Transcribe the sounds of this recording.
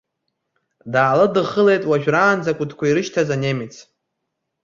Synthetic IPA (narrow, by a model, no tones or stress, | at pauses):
daːlɨdɨχəle̞jtʼwaʒᶣraːnd͡zakʷʼʊtʰkʷʰaiɾɨʃtʰazanemit͡sʰ